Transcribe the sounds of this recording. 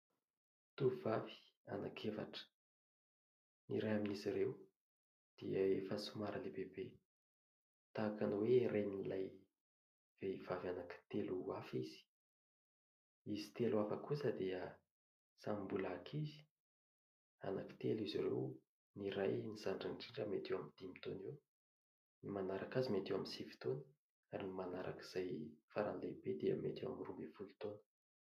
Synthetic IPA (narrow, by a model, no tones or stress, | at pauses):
t̪uvavi̥ | a̰nakʰefa̰ʈ͡ʂə̥ | niɾajaminiziɾew | d̪̥iəefəsumaɾəlebebe | t̪akanweɾʔajnilaj | v̥eivavanaki̥t̪eluafiz̥i̥ | izi̥t̪eluafakusəd̪iə | samimbulaakʰizi̥ | a̰naki̥t̪eliziɾḛw | niɾajnizaɳɖ͡ʐənɖ͡ʐiɳʈ͡ʂəmet̪ewamind̪̥imit̪oniw | nimanaɾakazimet̪ewaminsivi̥t̪onə̥ | aɾinimanaɾʔa̰ki̥z̥ajfaɾa̰nlebed̪eə̰mḛt̪ewa̰mirumbevulut̪onə̥